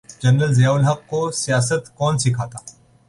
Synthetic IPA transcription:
d͡ʒɐnɾəlzɐjaːʊlɦɐqːosijaːsət̪kɔːnsɪkʰaːt̪aː

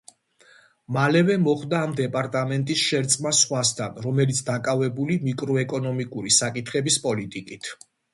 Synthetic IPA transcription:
malɛvɛmɔχd̪aːmd̪ɛpʼaɾt̪ʼamɛnt̪ʼisʃɛɾt̪sʼmasχwast̪ʰanɾɔmɛlit̪sʰd̪akʼavɛbulimikʼɾɔɛkʼɔnɔmikʼuɾisakʼit̪ʰχɛbispʼɔlit̪ʼikʼit̪ʰ

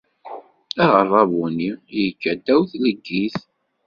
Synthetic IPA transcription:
æʁərˤːɑvunijəɡːæd̪ːæwθləɡːiθ

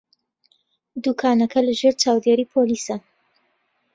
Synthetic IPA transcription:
d̪uːkʰaːnɐkʰɐləʒeːɾt͡ʃaːwd̪eːɾiːpʰoliːsɐ

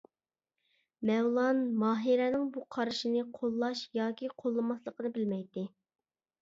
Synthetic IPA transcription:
mɛwlˠɑnmɑːɦiɾɛnɪŋbuqʰɑɾɨʃinɪqʰolˠːɑʃjɑːkʲiqʰolˠːɨmɑslˠəqʰənɨbɪlmɛjt̪ɪ

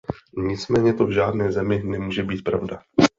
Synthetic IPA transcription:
ɲɪt͡smɛːɲɛt̪o̞vʒaːdnɛːzɛmɪnɛmuːʒɛbiːt̪̚pɾavda

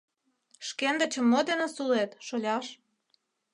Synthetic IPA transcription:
ʃkend̪ə̆t͡ɕə̆mːod̪enesulet̪ʃolʲɑʃ

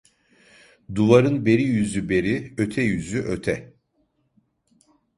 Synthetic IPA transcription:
d̪uvaɾɯnbe̞ɾijyzybe̞ɾiø̞t̪ʰɛjyzyʔøt̪ʰɛ

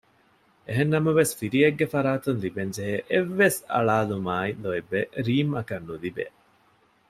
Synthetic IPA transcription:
eɦenːɐmɐʋesfiɾieɡːefɐɾaːt̪unlibeɲd͡ʒeɦeʔeʋːesɐ̰ɭaːlumaːiloebːeɾiːmɐkɐnːulibḛ

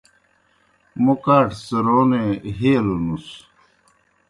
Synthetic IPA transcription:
mokaːʈʰsəɾoːneɦeːlonus

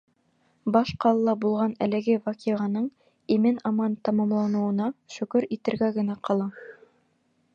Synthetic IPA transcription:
bɑʃqɑlˠlˠɑbulˠʁɑnæ̰lɘ̆ɡɘvɑkʲiʁɑnɤɴ | imɘnɑmɑnt̪ɑmɑmlˠɑnɤ̆wɤ̆nɑʃɵ̆kɵɾit̪ɘ̆ɾɡæɡɘ̆næqʰɑlˠɑ

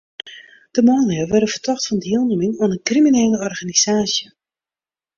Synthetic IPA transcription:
d̥əmɔːnlɪəʋɛɾəvərtʰɔχtfɑndiəlˠnumɪŋoənənkrimineːləɔrɣanizaːsjə

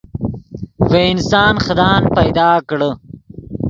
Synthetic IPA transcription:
weɪnsɑːnxɐd̪aːnpɐjd̪ɑːkɽə

